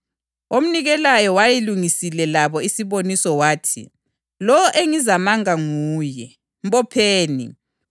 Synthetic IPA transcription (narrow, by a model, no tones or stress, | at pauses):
om̩niɣɛlajɔwajiluŋisilɛlaβɔisiβonisɔwaːtʰḭ | lɔɔʔeŋizamaŋaŋuːjɛ | mbɔpʰeːnḭ